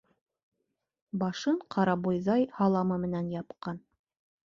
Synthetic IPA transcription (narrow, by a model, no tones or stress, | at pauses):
bɑʃɤɴqʰɑɾɑbujðɑjhɑlˠɑmɤmɘ̆nænjɑpqɑn